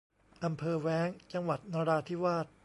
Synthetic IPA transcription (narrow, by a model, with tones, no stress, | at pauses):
ʔa˧mpʰɤː˧wɛː˦˥ŋt͡ɕa˧ŋwa˨˩t̪̚naː˧ɾaː˧t̪ʰiː˥˩waː˥˩t̪̚